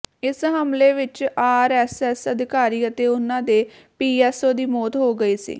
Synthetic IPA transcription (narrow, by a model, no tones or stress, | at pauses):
ɪsɦəmleːʋɪt͡ʃaːɾɛːsɛːsəd̪ɪkaːɾiːət̪eːʊnãːd̪eː | piːɛːsoːd̪iːmɔːt̪ɦoːɡəiːsḭː